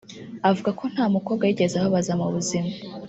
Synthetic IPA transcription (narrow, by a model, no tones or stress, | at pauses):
avuɡako̞n̥haːmukobɡajiɟe̞zaβaβazamuβuzima